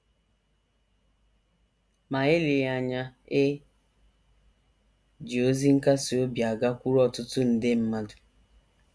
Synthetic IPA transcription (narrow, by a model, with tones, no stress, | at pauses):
ma˨ɪ˦lɪ˨˦a˨ɲa˦e˦ | d͡ʒi˨o˦zi˦ŋ̩˦ka˦si˨o˦bja˨ɡa˦kʷu˦ɾɔ˨tʊ˦tʊ˦n̩˨dɪ˦m̩˦ma˦dʊ˨